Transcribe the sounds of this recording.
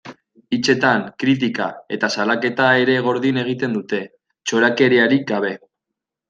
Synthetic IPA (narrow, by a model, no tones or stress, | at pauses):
it͡ʃe̞t̪aŋkɾit̪̬ika̰e̞̰t̪asalake̞t̪ae̞ɾe̞ɣ̞o̞ɾðine̞ɣ̞it̪e̞nd̪ut̪e̞ | t͡ʃo̞ɾake̞ɾeaɾik̚ɡaβ̞e̞